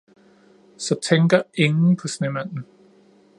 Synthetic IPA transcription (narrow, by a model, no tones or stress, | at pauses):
sɒ̽t͡sʰeŋɡ̥ɐe̝ŋn̩pʰɒ̽snemæn̰n̩